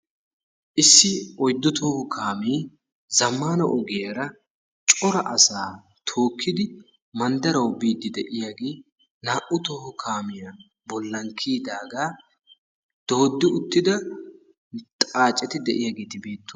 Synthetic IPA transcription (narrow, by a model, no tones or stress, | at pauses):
ʔɪsːɪɔjd̪ːʊt̪ʰoːhʊkʰaːmiː | zɐmːaːnɐʔɔɡɪjɐɾɐ | t͡ʃʼɔɾɐʔɐsaː | t̪ʰo̞ːkʰːɪd̪ɪ | mɐnd̪ɐɾɐwbiːd̪ːɪd̪ɛʔɪjaːɡeː | naːʔʊt̪oːhʊkʰaːmɪjɐ | bɔlːɐŋkʰːiːd̪aːɡaː | d̪̥oːd̪ːɪʊt̪ːɪd̪ɐ | t̪ʼaːt͡ʃʼːɛt̪ɪd̪ɛʔɪjaːɡeːt̪ɪbe̞ːt̪ːʊ